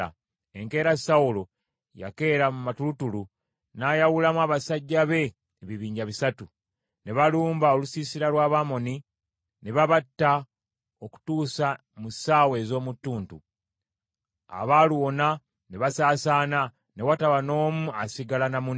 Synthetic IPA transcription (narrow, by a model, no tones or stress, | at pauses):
a̰ | e̞ŋke̞ːɾasawulo̞ | ja̰ke̞ːɾamumatulutulu | naːjawulamwaːβasaɟːaβe̞ː | βiβiːɲɟaβisatu | ne̞βaluːmbao̞lusisiɾalwaːβaːmo̞ni | ne̞βaβatːa | oku̥tuːsa | musaːwe̞ːzo̞ːmutːuːntṵ | a̰βaːluwo̞na | ne̞βasaːsaːna | ne̞wataβano̞ːmuasiɡalanamun